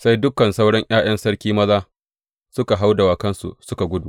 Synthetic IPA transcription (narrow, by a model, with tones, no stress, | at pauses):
sa˦jdʊ˦kːɐ˨nsa˦wɽɐ˦ŋʔj̰aː˦j̰ɐ˦nsɐ˦ɽkʲiː˦mɐ˦zaː˦ | sʊ˦ka˨ɦa˦wda˨waː˨kɐ˦nsṵ˨sʊ˦ka˨ɡʷʊ˦duː˨